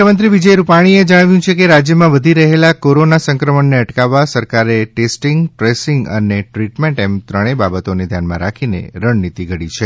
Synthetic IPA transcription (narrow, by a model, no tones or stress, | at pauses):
əmənt̪ɾiʋid͡ʒəjɾupaɽ̃ied͡ʒəɽ̃aʋjũt͡ʃʰekeɾad͡ʒjəmãʋəd̪ʱiɾəɦelakoɾonasə̃ŋkɾəməɳneəʈkaʋːasəɾkaɾeʈesʈiŋɡʈɾesiŋɡə̰neʈɾiʈmeɳʈemt̪ɾəɽ̃ebabət̪oned̪ʱjanmã̰ɾakʰinḛɾəɳnit̪iɡʱəɽit͡ʃʰe